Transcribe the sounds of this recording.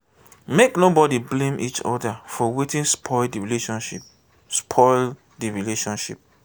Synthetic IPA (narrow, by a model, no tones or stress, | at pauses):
meknobɔdiblẽmʔit͡ʃɔ̰dafɔwitĩnspʰɔɪldiɹileʃɔ̃nʃip̚ | spʰɔɪl | diɹileʃɔ̃nʃḭp̚